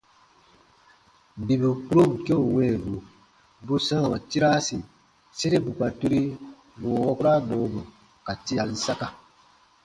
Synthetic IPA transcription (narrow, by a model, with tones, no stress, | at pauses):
bi˨bi˨k͡pu˦ɾo˦bu˨ke˦o˨wɛ˦˨vu˨ | bu˦sã˦˨a˨ti˦ɾa˦si˨ | se˦ɾe˦bu˨k͡pa˨tu˦ɾi˦ | woː˨wɔ˦ku˦ɾa˦boː˨˦bu˨ | ka˨ti˦a˨ni˦sa˦ka˦